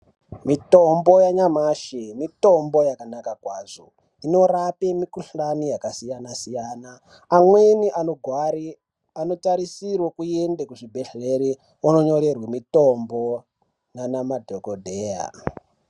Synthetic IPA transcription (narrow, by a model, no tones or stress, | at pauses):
mito̞mbo̞jaɲamaːʃemito̞mbo̞jakanakakwaːʐo̰ | ino̞rapemikuɬanijakasijanasijanaː | mweniʔano̞ɡʱwaɾi | ano̞taɾisirwokujendekuʐibʱeɬeɾi | ono̞ɲo̞ɾe̞rwemito̞mbo | nanamadʱokodʱeːja̰